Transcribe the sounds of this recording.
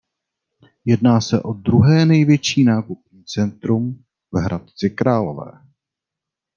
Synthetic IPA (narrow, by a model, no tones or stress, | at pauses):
jɛdnaːsɛʔo̞d̪ɾuɦɛːnɛjvjɛt͡ʃiːnaːkup̚ɲiːt͡sɛnt̪ɾum | vɦɾʔat̪̚t͡sɪkɾaːlo̞vɛ̰ː